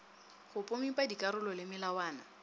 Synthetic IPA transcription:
χʊpʼʊmipʼadikʼaɾʊlɔlɪmɪlawaːna

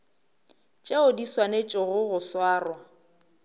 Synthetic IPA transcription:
t͡ʃʼeʊdiswanet͡ʃʼɔɣʊɣʊswaːrwa

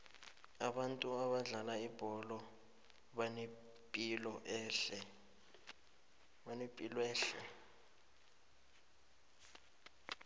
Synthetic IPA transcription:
aɓantʼuaɓaɮalaib̥ʱɔlɔ | ɓan | pʼilɔʔɛɬɛ | anɛpʼilwɛːɬɛ

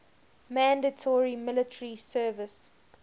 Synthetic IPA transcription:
mæ̃ndətʰɔɹimɪlətʰəɹisɜːvəs

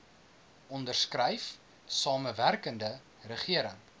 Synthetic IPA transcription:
ɔndərskrɛjf | sɑːməværkəndə | rəχiəɾəŋ

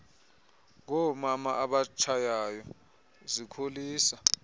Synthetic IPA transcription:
k̬ɔmamaʔaɓat͡ʃʰajajɔ | zikʰoliːsa

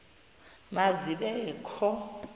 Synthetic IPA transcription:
maziɓɛkʰɔ

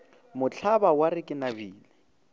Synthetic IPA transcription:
mʊt͡ɬʰabawaɾɪkʼɪnabiːlɪ

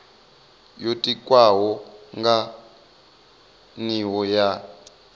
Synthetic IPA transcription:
jotʼikʼwaɦɔŋɡa | niwɔja

